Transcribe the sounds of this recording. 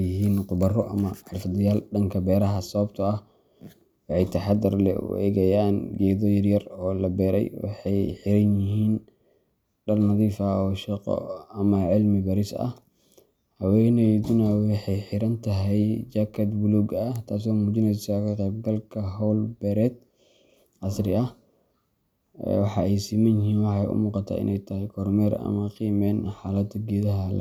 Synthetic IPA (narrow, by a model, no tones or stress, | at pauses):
ɪɦiːnqʊbɐrɔʔɐ̰mɐʕɑlfd̪ɪjaːlɖɐŋkʰɐbɛːɾɐɦɐsɐβɐb̚t̪ʰɐɐh | wɑħɑjt̪ʰɐħɑd̪ɪrlɛ̰ʊ̰ʔɛ̰ːɣɐjaːnɡɛːðɔjɐrjɐrɔːlɐbɛːɾɛjwɑ̰ħɑjħɪɾɐnjɪɦiːn | ɖɐrnɐðiːfɐɔːʃɛqɔ̰ɐmɐʕɪlmɪbɐɾɪsɐ̰h | hɐwɛnɛjd̪ʊnɐwɑħɑjħɪɾɐnt̪ʰɐɦɛjd͡ʒakʰɐd̪bʊluɡɐt̪ʰaːs̬ɔːmuːt͡ʃɪnɛsakʰɐqɛːb̚ɡɐlkʰɐɦɔwlbɛɾɛd̪̚ | ʔɐsrɪɐh | wɑħɑɛjsiːmɐnɪɦiːnwɑħɑɛ̰jʔʊ̰muːqɑt̪ʰa̰ːʔɪ̰nɛjt̪ʰɐhɛjkʰɔrmɛɾɐ̰mɐqiːmɛːnħaːlɐd̪ɡɛːðɐɦɐl̰